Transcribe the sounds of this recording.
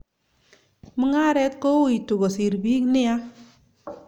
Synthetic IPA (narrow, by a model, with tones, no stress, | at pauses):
mə˦ŋa˦ɾɛ˦t̚ko˦i˨tu˨ɡɔ˨si˨ɾbi˦knɪ˦a˦